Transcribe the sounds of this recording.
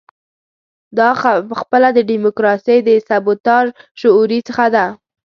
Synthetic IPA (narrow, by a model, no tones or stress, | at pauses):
d̪ɑpəxpəlad̪əɖimʊkɾɑsəjd̪əsabʊt̪ɑʒʃʊuɾit͡səxad̪a